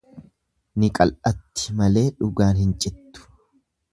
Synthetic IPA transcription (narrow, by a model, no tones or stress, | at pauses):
nɪkʼɐ̰lʔɐt̪ːɪ̥mɐle̞ːᶑʊɡaːnhɪnt͡ʃʼɪt̪ːʊ̥